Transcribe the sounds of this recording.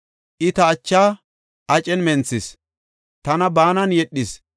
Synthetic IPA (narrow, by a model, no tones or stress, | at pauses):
ʔɪt̪ɐːt͡ʃːaː | ʔɐt͡ʃʼɛnmɛnt͡sːɪs | t̪ɐnɐbaːnɐnjɛɗːɪs